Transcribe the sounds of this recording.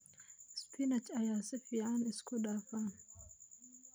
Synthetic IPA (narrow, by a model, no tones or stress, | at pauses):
spʰinat͡ʃajasifianiskudafan